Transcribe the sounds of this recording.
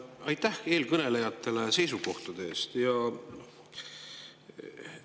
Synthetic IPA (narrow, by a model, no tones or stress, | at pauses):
ɑjt̪ːˑæhe̞ːlkɤne̞le̞jɑt̪ːˑe̞le̞se̞js̬uko̞ht̪ud̪eeːst̪jɑ